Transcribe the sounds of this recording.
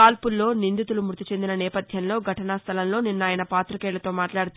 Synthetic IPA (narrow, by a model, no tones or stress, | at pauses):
aːlpulːo̞ːnind̪it̪ulumuɾt̪it͡ʃe̞nd̪inɐnɛːpɐd̪ʱjɐnlo̞ːɡʱɐʈɐnaːst̪ʰɐlɐmlo̞ːninːaːjɐnɐpaːt̪ɾukɛːɭɐt̪o̞ːmaːʈlaːɽut̪u